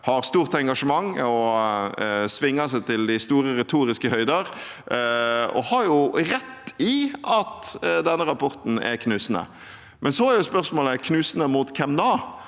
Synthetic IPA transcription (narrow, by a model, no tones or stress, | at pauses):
hɑɾst̪uːʁt̪ɛŋɡɑʂəmɑŋːɔ | sʋɪŋːɑsæɪt̪ʰɪld̪ɪst̪uːɾəɾɛt̪ʰuːɾɪskəhœʏd̪əɾ | ɔ̰hɑɾjʊɾɛt̪ːɪʔɑt̪d̪ɛnːəɾɑpʰɔɾt̪n̩ɛ̰ɾkʰnʉːsnə̰ | mʔɛnsɔæɾjʊspœʁsmoːləkʰnʉːsənəmuːt̪kʰɛmd̪ɑː